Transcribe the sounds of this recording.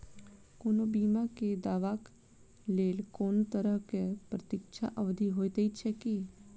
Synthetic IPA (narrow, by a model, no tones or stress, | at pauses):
koːnobiːmaked̪aːʋaːk | leːlkoːnt̪əɾəɦkepɾət̪ɪkʃʰa̰ʔəʋd̪ʱiɦoːet̪eit͡ʃʰɛki